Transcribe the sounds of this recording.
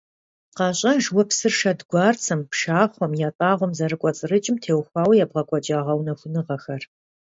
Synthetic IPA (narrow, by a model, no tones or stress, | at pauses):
qɑɕʼɐʒwɔpsɨrʃɐdɡʷɑːrt͡sʰɐmpʂaːχʷɔmjaːtʼaːʁʷɔmzɐɾɨkʷʼɔt͡sʼɨrɨt͡ʃʼɪmtʰeːwxʷɑːwjaːbʁɐkʷʼɔt͡ʃʼaːʁɐwnɐxʷʊnɨʁɐxɐr